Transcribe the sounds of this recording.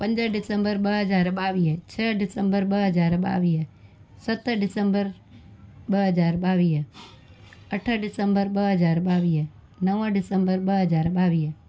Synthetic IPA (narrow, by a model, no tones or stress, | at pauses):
pə̃ɲd͡ʒəɖɪsəmbəɾbəɦəd͡ʒaːɾbaːʋiːɦt͡ʃʰəːɖɪsəmbəɾbəɦəd͡ʒaːɾba̰ːʋiːɦ | sət̪ːəɖɪsəmbəɾ | bəɦəd͡ʒaːɾbaːʋiːɦ | əʈʰəɖɪsəmbəɾbəɦəd͡ʒaːɾbaːʋiːɦ | nəʋəɖɪsəmbəɾbəɦəd͡ʒaːɾbaːʋiː